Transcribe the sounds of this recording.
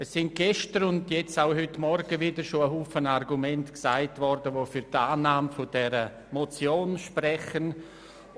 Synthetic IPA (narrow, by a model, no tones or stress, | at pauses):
əssɪnt̚ɡ̥ɛʃtəɾʊndjɛt͡saʊɦʏtmɔɾɡəvɪdəɾʃoəɦuːfənarɡumɛntksaɪtvɔɾdəʋoːfyɾtaːnaːmfʊd̥ɛɾə | mot͡sjoːnʃprɛχən